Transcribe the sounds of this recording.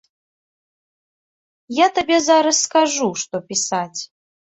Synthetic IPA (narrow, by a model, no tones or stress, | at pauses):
jat̪abʲɛzaɾɐsːkaʐuʂt̪ɔpʲisat͡sʲ